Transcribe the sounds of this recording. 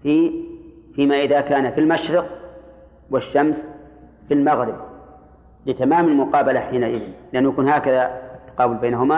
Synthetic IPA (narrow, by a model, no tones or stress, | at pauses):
fiː | fiːmaʔɪðakaːnafilmaʃɾɪq | wɪʃːams | filmaɣɾɪb̚ | lɪt̪amaːmalmʊqɑːbalaħiːnaʔɪðɪnlɪʔanːʊjakuːnhaːkaðat̪ːḁqɑːbʊlbeːnaɦʊma